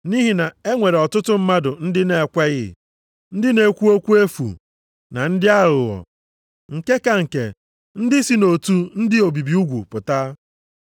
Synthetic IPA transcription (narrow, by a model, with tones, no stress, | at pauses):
ni˦ɦi˨na˨e˦ŋʷe˨ɾe˨ɔ˨tʊ˦tʊ˦m̩˦ma˦dʊ˨n̩˦dɪ˦ne˨kʷe˦ɣɪ̰˦ | n̩˦dɪ˦ne˨kʷu˦o˦kʷu˦e˦fṵ˨ | na̰˨n̩˦dɪ˦a˦ɾʊ˨ɔ̰˨ | ŋ̩˨ke˦ka˨ŋ̩˨kḛ˨ | n̩˦dɪ˦si˦no˨tu˦n̩˦dɪ˦o˨bi˨bi˨u˦ɡʷu˨pʊ˨ta˦